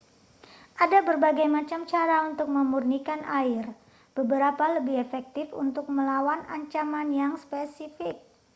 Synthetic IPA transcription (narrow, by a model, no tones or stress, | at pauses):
ʔadabərbaɡajmat͡ʃamt͡ʃaɾaunt̪ʊk̚məmurnikanʔaɪr | b̥əbəɾapaləbɪɦefɛk̚t̪ɪfṵnt̪ʊk̚məlawanaɲt͡ʃamanjaŋspesifɪk̚